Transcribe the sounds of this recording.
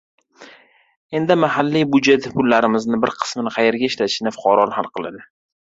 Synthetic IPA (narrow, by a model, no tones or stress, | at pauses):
e̞nd̪ɪmahalːibʊd͡ʒe̞t̪pʰʊlːaɾɪmɪznɪbɪɾqʰɨ̥smɪnɪqʰɑje̞ɾɡʲaɪʃlat̪ɪʃɪnɪfʊ̥qʰɑɾɒnhalˠqʰɨlˠa̰d̪ɪ